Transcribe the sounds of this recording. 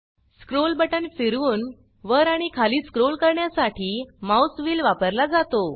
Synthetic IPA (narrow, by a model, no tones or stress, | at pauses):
skɾolbəʈənfiɾuːn | ʋəɾaɽ̃ikʰaliːskɾolkəɾɳjasaʈʰiːmawsʋiːlʋapəɾlad͡zat̪o